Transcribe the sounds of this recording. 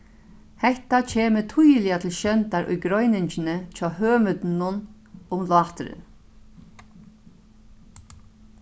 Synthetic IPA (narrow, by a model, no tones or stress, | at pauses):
hɛht̪at͡ɕʰeːmət̪ʰujlɪat̪ʰɪlʃœnt̪aɾʔʊ̰jɡɾɔjnɪɲt͡ʃɪnət͡ʃʰɔːhøːmʏt̪nʊn | ʊmlwɑːt̪ɾɪ̰